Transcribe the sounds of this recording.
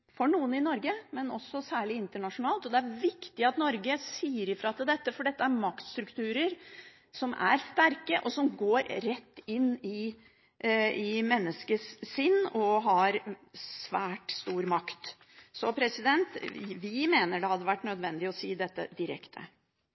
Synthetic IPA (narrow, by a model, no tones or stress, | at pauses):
fɔɳuːənɪnɔɾɡəmɛnɔsːɔsæːɭɪɪnt̪əɳɑʂʊnɑːlt̪ɔd̪ɛæɾʋɪkt̪ɪɑt̪nɔɾɡəsiːəɾɪfɾɑːt̪ʰɪld̪ɛt̪ːəfɔɖɛt̪ːəæɾmɑkt̪st̪ɾʉkt̪ʰʉːɾəɾ | sɔmʔæ̰ɾst̪æɾkəʔɔsɔmɡoːɾɾɛt̪ːɪnːɪ | ɪmɛnːəskəssɪnːɔɦɑɾsʋæːʈst̪uːɾmɑkt̪ | sɔpʰɾɛsɪd̪ɛnt̪ʋɪmeːnəɖɛhɑd̪ːəʋæʈːnœd̪ʋɛnd̪ɪɔsiːd̪ɛt̪ːə̰d̪ɪɾɛ̰kt̪ʰə̰